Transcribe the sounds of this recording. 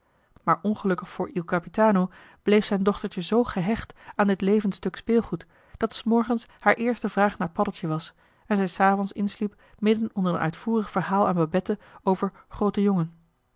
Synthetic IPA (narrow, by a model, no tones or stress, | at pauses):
maːɹʔɔnχəlɵkəχfʊːɹilˠkapitaːno | b̥lejfsɛjndɔχtəɹtəzowχəɦɛχtaːndɪtlejvənstɵkspɪːlˠχut | d̥ɑtsmɔɹχənshaːɹʔɪːɹstəvraːχnaːɹpɑdəlˠtjəʋɑs | ɛnzɛjsaːvɔnsɪ̰nslip | mɪdənɔndərə̰nœ̰ɥtfuːrəχfəɹɦaːlˠaːnbabɛtəowvəɹχrowtəjoŋən